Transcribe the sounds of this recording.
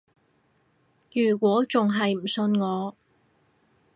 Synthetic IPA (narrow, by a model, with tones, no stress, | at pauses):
jyː˨˩kʷɔː˨˥t͡sʊ˨ŋɦɐ˨jm̩˨˩sɵ˧nŋɔː˨˧